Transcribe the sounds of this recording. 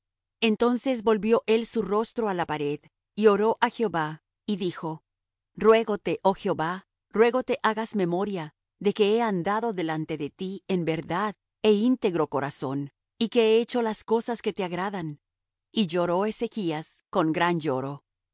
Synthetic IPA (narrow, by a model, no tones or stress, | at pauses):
e̞nt̪o̞nse̞zbo̞lβjo̞ʔe̞lsuro̞st̪ɾo̞alapaɾe̞ð | io̞ɾo̞ʔaxeo̞βa | iðixo̞ | rwe̞ɣo̞t̪e̞ʔo̞xjeoβa | rwe̞ɣo̞t̪e̞ʔaɣazme̞mo̞ɾja | ðe̞ke̞eand̪aðo̞ðe̞lant̪e̞ðe̞t̪iembe̞ɾðað | e̞int̪e̞ɣɾo̞ko̞ɾaso̞n | ike̞eet͡ʃo̞lasko̞saske̞t̪eaɣɾaðan | iʝo̞ɾo̞e̞se̞kiasko̞ŋɡɾand͡ʒo̞ɾo̞